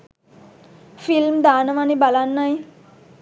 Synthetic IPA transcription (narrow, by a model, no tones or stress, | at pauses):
filmd̪anʋanibalanːaj